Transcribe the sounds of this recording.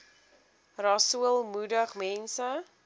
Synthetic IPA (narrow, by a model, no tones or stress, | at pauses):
rɑsuəlˠmudəχmɛnsə